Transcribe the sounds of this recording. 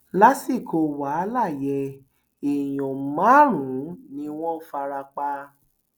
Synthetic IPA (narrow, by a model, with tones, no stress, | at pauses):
la˦si˦˨ko˧wa˨˦la˦˨jɛ˧ | e˨j̃ɔ̃˨mã˨˦ɾ̃ũ˨˦nĩ˧˦w̃ɔ̃˦fa˧ɾa˧k͡pa˧